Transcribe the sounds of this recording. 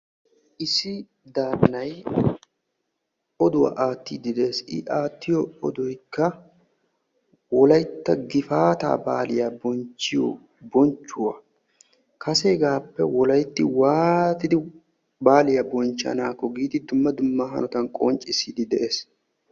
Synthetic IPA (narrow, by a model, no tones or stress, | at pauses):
ʔɪsːɪ | d̪aːnnɐj | ɔd̪ʊwa̰ʔaːt̪ːiːd̪ɪd̪ɛeːsɪ̰ʔaːt̪ːɪjɔɔd̪ɔjkːɐ | wɔlɐjt̪ːɐɡɪfaːt̪a̰ːba̰ːlɪjabɔnt͡ʃːɪjɔ̰ | bɔnt͡ʃːʊwɐ | kɐseːɡaːpːɛwɔlɐjt̪ːɪwaːt̪ɪd̪ɪ | baːlɪjɐbɔnt͡ʃːɐ̰naːkːɔɡiːd̪ɪd̪ʊmːɐd̪ʊmːɐɦɐ̰nɔt̪ɐnkʼɔnt͡ʃʼːɪsiːd̪ɪd̪ɛʔe̞ːs